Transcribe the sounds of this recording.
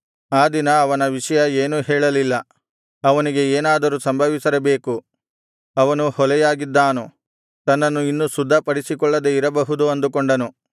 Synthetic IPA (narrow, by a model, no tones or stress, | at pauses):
aːd̪inɐːʋɐnɐʋiʂɐjɐeːnuɦɛːɭɐlilːɐ | ɐʋɐniɡe̞eːnaːd̪ɐɾusɐmbʱɐʋisɐɾɐbe̞ːku | ɐʋɐnuhɔlɛjaːɡid̪ːaːnu | t̪ɐnːɐnːuinːusud̪ʱːɐpɐɽisikɔɭːɐd̪eiɾɐbɐɦud̪uɐnd̪ukɔɳɖɐnu